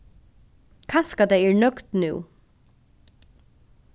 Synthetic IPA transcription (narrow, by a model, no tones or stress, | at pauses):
kʰanskad̪ɛɪɛːɹnœkt̪nʉː